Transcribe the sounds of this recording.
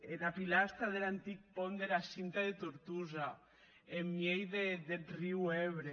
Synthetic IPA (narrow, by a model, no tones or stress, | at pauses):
enapilast̪ɾaðelant̪ik̚pond̪eɾasint̪aðet̪uɾt̪uza | emːjejðeðeriweβɾe